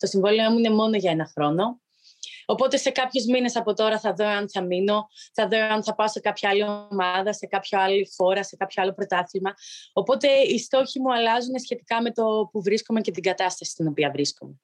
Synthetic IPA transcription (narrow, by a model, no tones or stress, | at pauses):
t̪o̞siɱvoliomuine̞mo̞no̞ʝɐe̞nɐxɾo̞no̞ː | po̞t̪e̞se̞kɐpço̞zmine̞sɐpo̞t̪o̞ɾɐθɐðo̞ɐnθɐmino̞θɐðo̞ɐnθɐpɐose̞kɐpçɐɐliomɐðɐse̞kɐpçoɐlixo̞ɾɐse̞kɐpçoɐlo̞pɾo̞t̪ɐθilmɐopo̞t̪e̞ist̪o̞çimuɐlɐzunesçe̞t̪i̥kɐme̞t̪o̞puvɾiskomece̞t̪iŋɡɐt̪ɐst̪ɐsi̥st̪ino̞piɐvɾiskome̞